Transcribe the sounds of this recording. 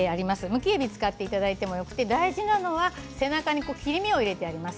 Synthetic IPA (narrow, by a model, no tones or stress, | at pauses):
eaɾʲimasɨmɯ̟kʲiebʲit͡sɨ̥kat̪ːe̞it̪ad̪ait̪e̞mo̞jo̞kɯ̟̥t̪e̞d̪aiʑinano̞βase̞nakaɲ̟iko̞ːkʲiɾʲimʲio̞iɾe̞t̪e̞aɾʲimasɨ̥